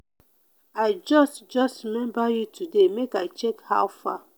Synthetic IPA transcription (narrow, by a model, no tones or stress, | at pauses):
aɪd͡ʒɔstd͡ʒɔstɹimɛ̃mbajutʰudemekaɪt͡ʃekha̰wfa̰